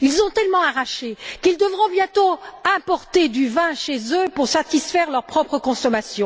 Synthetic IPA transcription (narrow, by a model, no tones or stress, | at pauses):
ilzɔ̃t̪ɛlmɑ̃aʁaʃekild̪əvʁɔ̃bjɛ̃t̪oɛ̃pɔʁt̪ed̪yvɛ̃ʃezøpuʁsat̪isfɛʁlœʁpχɔpχəkɔ̃sɔmasjɔ̃